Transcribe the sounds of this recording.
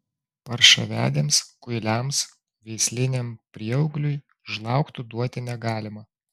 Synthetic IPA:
pɐɾʃɐ̰ʋʲæ̰ːd̪ʲeːmskʊɪlʲæˑms | ʋʲɛɪsʲlʲɪnʲɛmpʲɾʲiɛɔʊɡlʲʊɪ | ʒlˠɑˑʊkt̪ʊd̪uɔt̪ʲɪnʲɛɡɑːlʲɪmɐ

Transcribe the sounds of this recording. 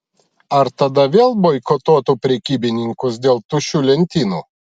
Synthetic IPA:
ɐɾt̪ɐd̪ɐʋʲeːlˠbɔɪkɔt̪oːt̪uːpʲɾʲɛkʲiːbʲɪnʲɪŋkʊsd̪ʲeːlˠt̪uːʃʲuːlʲɛnʲt̪ʲiːnuː

